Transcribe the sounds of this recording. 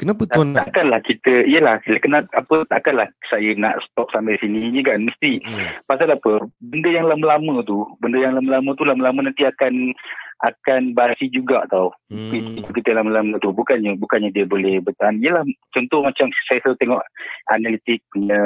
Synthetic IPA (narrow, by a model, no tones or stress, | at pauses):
kənapət̪t̪t̪aʔkanlahkit̪əijəlahlkənaʔ̚apət̪aʔkanlahsajəna̰ʔsə̥t̪ɔk̚sambɛsiniɲəkanməst̪ipasalaapəbəndəjaŋlaməlamət̪ubəndəjaŋlaməlamət̪ulaməlamənant̪iakanʔakanbaasid͡ʒuɡaa̰t̪awpiit̪ukit̪əlaməlamət̪ubukanɲabukanɲadiəbolɛhbət̪anijəlaht͡ʃɔnt̪ʊhmat͡ʃamsajəsət̪eŋɔʔʔanalit̪ɪk̚əɲə